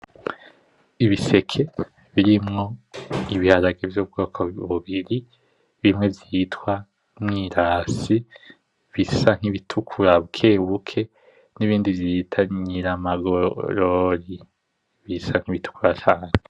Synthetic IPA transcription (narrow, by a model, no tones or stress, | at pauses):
iβise̞kʰe̞ | βiɾimŋo̞iβihaɾaɡevjoːb̚ɡo̞ːkʰoβuβiɾi | βimŋe̞vjitwa | mŋiːɾaːsi | βisaŋ̥hiβitʰukʰuɾaβukʰe̞ːβukʰe̞ | niβiːndivjitʰaɲiɾamaɡoɾoɾi | βisaŋ̥iβitu̥kuɾat͡ʃaːn̥ee